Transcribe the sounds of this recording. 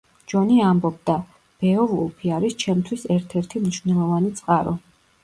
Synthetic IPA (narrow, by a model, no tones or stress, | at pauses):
d͡ʒɔniambɔb̚d̪a | b̥ɛɔvulˠpʰiaɾist͡ʃʰɛmt̪ʰwisɛɾt̪ʰɛɾt̪ʰimniʃwvnɛlˠɔvanit̪sʼqʼaɾɔ